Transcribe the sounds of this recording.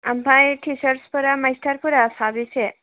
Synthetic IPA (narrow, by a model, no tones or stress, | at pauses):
ampãjʈʰisəɾspuɾaməjst̪ʰaɾpuɾasabise